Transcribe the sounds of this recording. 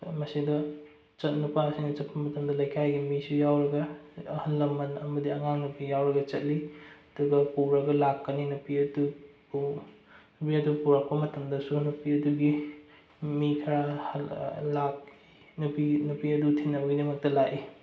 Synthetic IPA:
mɐsidɐ | t͡ʃɐt̚nupaɐsinɐt͡ʃɐt̚pɐmɐtɐmdɐlɐjkʰajɡimisujawɾɐɡɐhɐnːɐmɐnɐmɐdiɐŋaŋnupijawɾɐɡɐt͡ʃɐt̚liɐduɡɐpuɾɐɡɐlakːɐninupiɐdu | nupiɐdupuɾak̚pɐmɐtɐmdɐsunupiɐduɡi | mikʰɐɾahlak̚ii | nupinupiɐdutʰinːɐwɡidimɐk̚tɐlaʔi

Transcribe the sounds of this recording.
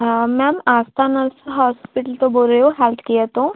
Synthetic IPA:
mɛmast̪ʰanəɾsɦɔspiʈəlt̪oboljoɦɛlt̪ʰkijət̪õ

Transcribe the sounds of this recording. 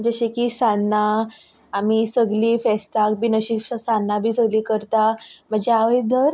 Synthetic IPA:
d͡ʑəɕikiːsanːa | amisəɡliːfɛst̪ak̚biːnəɕisanːabʱiːsəɡliːkəɾt̪am̤əd͡ʑeaʋəjd̪əɾ

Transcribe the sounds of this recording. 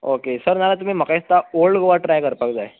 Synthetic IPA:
okesəɾnalat̪̬um̤iːm̤əkaist̪aoɭɖɡʱoʋaʈɾajkəɾpak̚d͡zae

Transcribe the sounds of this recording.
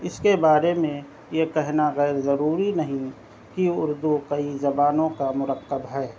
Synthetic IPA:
ɪskebaːɾemẽ | jekɛɦnaɣɛːɾzɐɾuːɾinɐɦĩ | kiʊɾd̪ukɐizɐbaːnõkamʊɾəqːəbɦɛː

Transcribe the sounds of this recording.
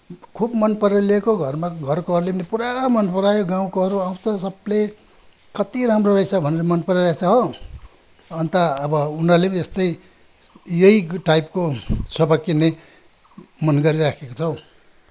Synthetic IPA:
kʰubmʌnpʌɾlekoɡʱʌrmaɡʱʌrkoʌɾulenepuɾamʌnpʌɾajoɡãw̃koɦʌɾuaw̃t͡sʰʌsʌble | kʌt̪iɾamrorʌisʰʌbʱʌneɾʌmʌnpʌɾeɾat͡sʰʌɦʌ | ʌnt̪ʌːbʌunʌrleest̪ʌj | jʌiʈajpkosʌbakːinːe | mʌnɡʌɾiɾakʰekot͡sʰʌw̃

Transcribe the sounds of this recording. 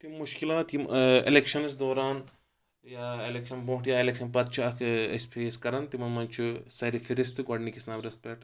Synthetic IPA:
t̪imuʃkilaːt̪iḛlekʃɐnsd̪oːɾaːn | jaːelekʃɐnbõːʈjaːelekʃɐnpɐt̪̚t͡ʃʰuɐkʰespʰeskɐɾɐnt̪imɐnmɐnt͡ʃʰusɐɾifʰiɾist̪ɨɡɐɖnikisnaːbɾɐspʲeʈ

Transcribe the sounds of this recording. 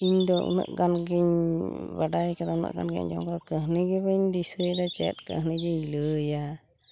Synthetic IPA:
iɲd̪ɔʔṵnə̰ʔɡanɡiɲbaɖajkad̪ɔunə̰ʔɡa̰nɡɛ̰ɲd͡ʒɔ̰mkad̪ɔkəɦniɡɛbəiɲd̪isəd̪at͡ʃɛ̰t̪̚kə̰ɦnid͡ʒiɲləja

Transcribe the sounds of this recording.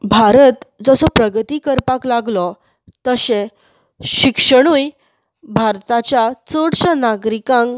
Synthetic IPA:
bʱaɾət̪d͡zəsɔpɾəɡt̪iːkəɾpaklaɡlɔ | t̪əɕe | ɕikʂəɽ̃uj | bʱaɾt̪at͡ɕjat͡səɽɕanaɡɾikãŋ

